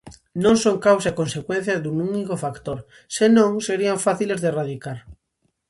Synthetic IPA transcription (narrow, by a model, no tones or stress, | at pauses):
nõŋsoŋkawsakonsekwen̟θjɐðununikofakt̪oɾ | senõŋseɾiaɱfaθilezðeraðikaɾ